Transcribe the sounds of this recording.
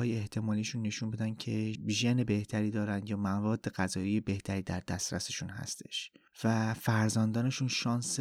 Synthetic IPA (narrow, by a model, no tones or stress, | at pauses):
ɒːjeeht̪ʰe̞mɒːliːʃunːe̞ʃuːnbed̪æncʰe̞ʒenebe̞ht̪ʰæɾiːd̪ɒːɾænd̪jɒːmævɒːd̪ːe̞ɣæzɒːijebe̞ht̪ʰæɾiːd̪æɾd̪æst̪ɾæ̰seʃuːnhæ̰st̪ʰe̞ʃvæfæɾzænd̪ɒːne̞ʃunʃɒːns